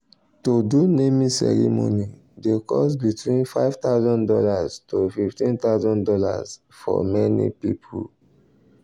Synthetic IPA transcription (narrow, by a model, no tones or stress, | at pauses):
todunemĩsɛ̰ɹimonidekɔsbitwĩnfaɪv̥t̪aʊzɔ̃ndɔlaztofiftĩnt̪aʊzɔ̃ndɔlaz | fɔ̰mɛnḭpipʰul